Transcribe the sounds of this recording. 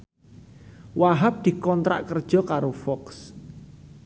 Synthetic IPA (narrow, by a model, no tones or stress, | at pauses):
waɦap̚d̪̥i̤kɔnt̪ɾa̰ʔkərd̥ʒ̥ɔ̤kaɾofɔks